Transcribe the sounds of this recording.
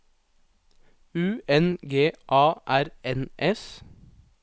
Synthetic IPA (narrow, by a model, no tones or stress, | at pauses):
ʉːɛnɡeːʔɑːʔæɾɛnʔɛs